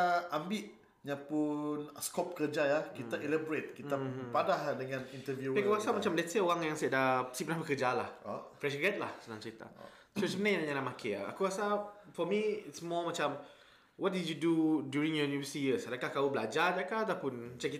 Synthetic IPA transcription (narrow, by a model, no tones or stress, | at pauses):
aambiʔ | ɲapunskɔp̚kəd͡ʒajahkit̪aʔilɛbɔɾet̪̚kit̪apadahdəŋãnint̪əvjupakuɣasamat͡ʃamlɛtseoɣaŋjaŋsaaʔdaə̥sipənahbəkəd͡ʒalahofɾɛʃɡɛt̪̚lahsənãŋt͡ʃəɾit̪a̰ | sosəmənãjãnaɲanaʔmakʰea̰a̰kuɣasafɔmiɪtsmɔmat͡ʃam | wɔt̚didjududjuɹĩŋjɔnuvəsijəsadakahkaubəlad͡ʒadakad̪apʊnt͡ʃaki